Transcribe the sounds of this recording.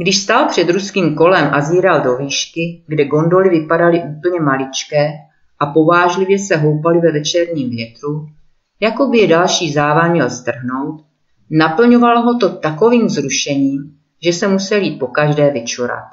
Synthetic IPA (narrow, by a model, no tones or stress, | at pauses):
ɡdɪʃst̪alpr̝̥ɛd̪ɾuskiːmko̞lɛmʔaziːɾaldo̞viːʃkɪɡdɛɡo̞ndo̞lɪvɪpadalɪʔuːpl̩ɲɛmalɪt͡ʃkɛː | ʔapo̞vaːʒlɪvjɛsɛɦo̞wpalɪvɛvɛt͡ʃɛɾɲiːmvjɛt̪ɾu | jako̞bɪjɛdalʃiːzaːvamɲɛlst̪r̩ɦno̞wt̪ | napl̩ɲovaloɦo̞t̪o̞t̪ako̞viːmzɾuʃɛɲiːm | ʒɛsɛmusɛljiːt̪̚po̞kaʒdɛːvɪt͡ʃuɾa̰t̪̚